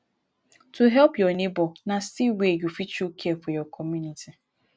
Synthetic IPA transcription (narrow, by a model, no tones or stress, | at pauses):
tʰuɦɛpjɔnebɔnasiwejufit͡ʃukʰefɔjɔkʰɔmjuniti